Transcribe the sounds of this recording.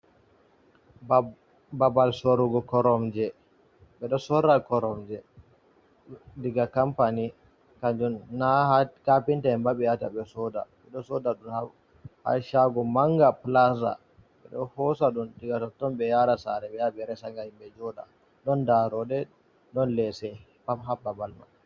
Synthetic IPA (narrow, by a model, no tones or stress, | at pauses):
babalsoɾuɡɔkɔɾɔmd͡ʒɛ | ɓɛɗɔsɔɾːakɔɾɔmd͡ʒɛ | diɡakampani | kaɲd͡ʒunːakapintaɛmbaɓɛjataɓɛsɔda̰ɓɛɗɔsɔdaɗunha | ha̰ʃaɡɔmaŋɡaplas̬a̰ | ɓɛ̰ɗɔ̰hɔsaɗundiɡatɔtːɔmbɛjaɾasaɾɛɓɛjaɓɛɾɛsaŋɡahimbɛd͡ʒɔɗa̰ | ɗɔndaɾɔɗɛ | ɗɔnlɛsɛ | pamɦababalma̰